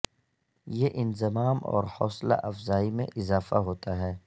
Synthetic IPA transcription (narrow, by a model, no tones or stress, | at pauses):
jeʔɪnzɪmaːmɔ̰ːɾhɔːsla̰ʔɐfzaːimḛ̃ʔɪzaːfaɦoːt̪aɦɛː